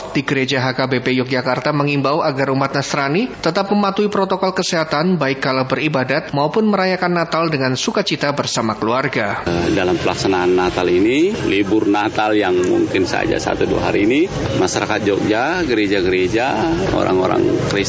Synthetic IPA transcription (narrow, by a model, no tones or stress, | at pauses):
diɡəɾed͡ʒaɦakabepejɔk̚d͡ʒakart̪aməŋimbawaɡarumat̪̚nast̪ɾanit̪ət̪ap̚məmat̪uipɾot̪okɔlkəseɦat̪anbaɪkːalawbəribadat̪̚maupʊnməɾajakanːat̪aldəŋansukat͡ʃit̪abərsamakəluarɡadalampəlaksanaːnːat̪alinilibʊrnat̪aljaŋmṵŋkɪnsəa̰d͡ʒa̰sa̰t̪udua̰ɦaɾiːni | maʃaɾakat̪̚d͡ʒɔk̚d͡ʒaɡəɾed͡ʒaɡəɾed͡ʒao̰ɾa̰ŋo̰ɾa̰ŋkɾis